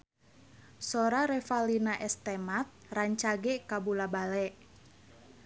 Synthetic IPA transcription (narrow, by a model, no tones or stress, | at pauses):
sɔɾaɾɛfalinaʔɛst̪ɛmat̪̚raɲt͡ʃaɡɛkabulabalɛʔ